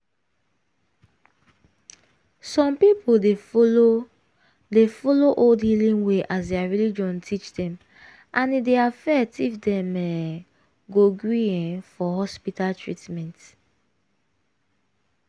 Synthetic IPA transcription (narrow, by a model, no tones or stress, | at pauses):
sɔ̃mpipoldefoo | defɔloʔoldhilĩnweʔasdɛaɹilid͡ʒɔ̃ntʰit͡ʃdɛ̃m | ʔãnideafɛtifdɛ̃mɛ | ɡoɡɹiɛ̃fɔɦɔspitaltʰɹitmɛ̃nt